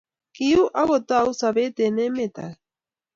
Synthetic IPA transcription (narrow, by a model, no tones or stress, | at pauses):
kijuʔaɣot̪ausaβet̪enemet̪a̰